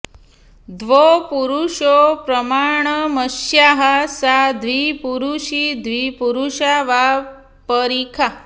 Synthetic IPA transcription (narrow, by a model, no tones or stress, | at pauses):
d̪ʋopuɾuʂopɾəmaɳ̃əməʃjaɦasad̪ʱʋipuɾuʃid̪ʱʋipuɾuʃaʋa | pəɾikʰa